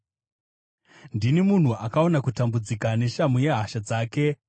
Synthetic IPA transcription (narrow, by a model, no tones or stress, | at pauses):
ndinemun̤uʔakao̞nakutambud͡zikane̞ʃamuje̞ɦaʃad͡zaːke̞